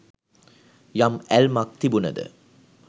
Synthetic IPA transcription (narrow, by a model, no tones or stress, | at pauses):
jamælmak̚t̪ibunəd̪ə̰